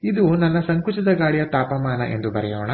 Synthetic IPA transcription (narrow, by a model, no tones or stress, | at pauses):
id̪unɐnːɐsɐŋkut͡ʃɐd̪ɐɡaːɭijɐt̪aːpɐmaːnɐ̰ʔe̞nd̪ubɐɾɛjoːɳɐ